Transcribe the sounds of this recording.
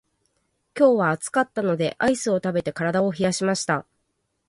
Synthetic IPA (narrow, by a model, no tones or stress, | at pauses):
kʲo̞ːβaːt͡sɨ̥kat̪ːano̞d̪e̞ʔaisɨo̞t̪abe̞t̪e̞kaɾad̪ao̞çijaɕimaɕi̥t̪a